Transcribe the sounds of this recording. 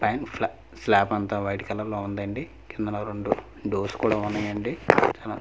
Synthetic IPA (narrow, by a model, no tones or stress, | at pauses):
paːnpʰl | slaːpɐnt̪aʋɐjʈikɐlɐlːoːund̪ɐɳɖi | kind̪ɐnɐɾoɳɖu | ɖoːskuːɽaːunːɐjɐɳɖit͡ʃaːla